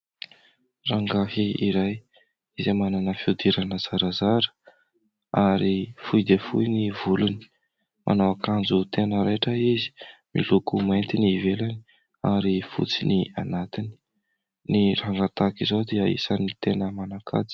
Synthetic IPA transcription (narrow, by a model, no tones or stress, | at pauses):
raŋɡahiiɾaj | izemananəfiud̪iɾanəz̥aɾazaɾə̥ | aɾifujd̪efujnivuluni̥ | mʔa̰nawakand͡zut̪enəɾeʈ͡ʂəizi̥mḭlukumajnt̪inivelani̥ | aɾifṵt͡sinianat̪ini̥ | niraŋɡat̪akizod̪iəḭsanit̪enəmanakʰa̰d͡zi̥